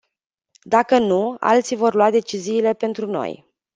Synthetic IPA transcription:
d̪akənua̰lt̪sivo̞rluad̪e̞t͡ʃiziːle̞pe̞nt̪ɾuno̞̰j

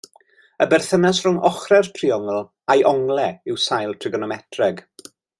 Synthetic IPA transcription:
əbɛrθənasrʊŋɔχrɛrtʰriɔŋlˠ | ajʔɔŋlɛɪwsajlˠtʰrɪɡɔnɔmɛtʰrɛɡ

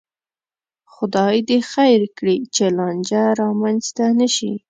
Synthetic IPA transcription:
xʊd̪ɑjd̪exajɾkɽit͡ʃelɑnd͡ʒaɾɑmanzt̪anəʃḭ

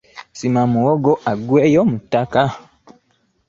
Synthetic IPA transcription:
simamuwoɡoʔaɡweːjomutːaka

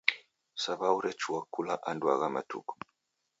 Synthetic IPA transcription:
saβauɾɛt͡ʃuwakulaʔandwa̰ɣama̰tṵkɔ̥

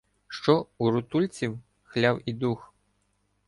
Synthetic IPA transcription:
ʃt͡ʃɔuɾʊt̪ulʲt͡sʲiw | xlʲawid̪ux

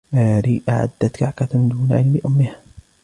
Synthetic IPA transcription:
ʔaːɾiːʔaʕa̰d̪ːat̪kaʕkat̪d̪uːnaʕɪlmɪʔʊmːɪha

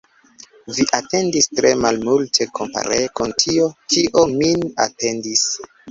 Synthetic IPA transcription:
viʔate̞ndistɾe̞malmultʰe̞kʰo̞mpa̰ɾekontʰiotʰiʔomina̰te̞ndis

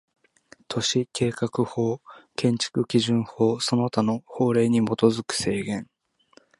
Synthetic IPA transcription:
t̪ʰo̞ɕikʰe̞ːkakɯ̟ho̞ːkʰẽ̞ɲ̟t͡ɕi̥kɯ̟kʲiʑɨ̃ɰ̃ho̞ːsono̞t̪ano̞ho̞ːɾe̞ːɲ̟imo̞t̪o̞zɨkɯ̟̥se̞ːɡẽ̞ŋ

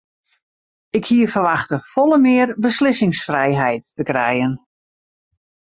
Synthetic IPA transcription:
ɪkhiəfərʋaxtəfɔlˠəmɪərbəslɪsɪŋsfrɛjɦɛjt̚ːəkrɛjən

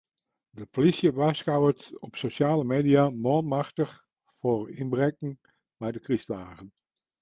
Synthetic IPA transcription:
dəpolisjəʋasxawətɔpsoʃaːləmeːdiamɔlˠmaxtəχ | forinbrɛkŋ̩ | mɛjdəkristlaːɣən

